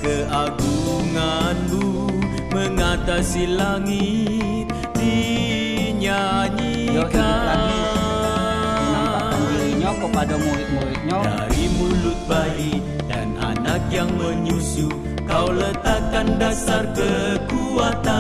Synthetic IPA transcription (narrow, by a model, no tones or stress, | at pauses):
kəaɡuŋanbu | məŋat̪asilaŋi | t̪̚ | di | ɲaɲi | kaa | aamuliɲakəpadamuɾit̪̚muɾit̪̚ɲad̰a̰ɾimulut̪̚bai | da̰na̰nak̚jaŋməɲusu | kawlət̪akːandasarkəkuat̪a